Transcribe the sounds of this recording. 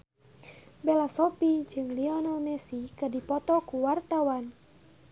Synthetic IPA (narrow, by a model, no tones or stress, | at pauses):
bɛlasɔpid͡ʒɨŋliɔnalmɛsikədipɔt̪ɔkuwart̪awan